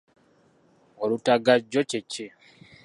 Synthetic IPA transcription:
olutaɡaɟːoceci

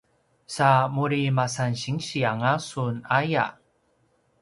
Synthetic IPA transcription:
samuɾimasanɕiŋɕiaŋasunaja̰

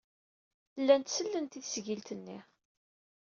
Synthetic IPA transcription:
lːænt̪səlːənt̪iθsʝilt̪ənːi

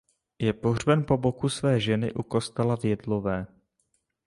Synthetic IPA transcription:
jɛpo̞ɦrbɛnpo̞bo̞kusvɛːʒɛnɪ̰ʔuko̞st̪ɛlavjɛdlo̞vɛː

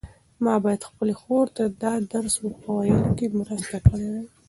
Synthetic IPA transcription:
mɑbɑjad̪xpəlexoɾt̪ad̪ɑd̪aɾswəpawajəlokemɾast̪akəɽewa

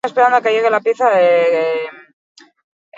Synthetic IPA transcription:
espe̞ɾand̪oake̞ʝe̞ɣ̞e̞lapjeθaee

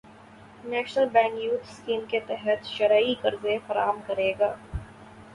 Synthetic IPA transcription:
nɛːʃnəlbɛ̃ːŋkjuːt̪ʰskiːmket̪ɛɦət̪ʃɐɾaːikɐɾzefɐɾa̰ːmkɐɾeːɡaː

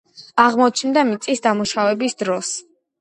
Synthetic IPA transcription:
aʁmɔt͡ʃʰnd̪amit̪sʼisd̪amuʃavɛbisd̪ɾɔs

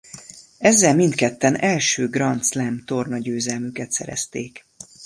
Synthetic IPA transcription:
ɛzːɛlmint̪kɛt̪ːɛnɛlʃøːɡrɒnt̪slɛmt̪o̞rnɒɟøːzɛlmykɛt̪sɛ̰ɾɛ̰st̪eːk

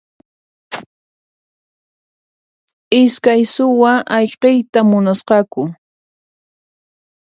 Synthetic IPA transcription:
ɪskajsʊwaʔɑʎqejt̪amʊnasqɑkʊ

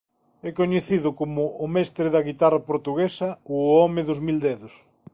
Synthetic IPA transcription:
ɛkoɲeθiðʊkomʊʔːmɛst̪ɾɪðɐɣit̪arɐpoɾt̪uɣesɐoɔmɪðʊzmild̪ɛðʊs

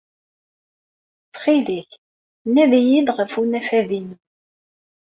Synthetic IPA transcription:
t͡sːχiliç | nːæðijid̪ʁəfunæfæðin

